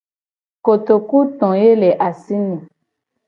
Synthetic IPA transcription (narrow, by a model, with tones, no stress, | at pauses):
ko˨t̪o˨ku˦t̪ɔ̃˨je˦lɛ˨ʔa˨si˦nɛ̃˨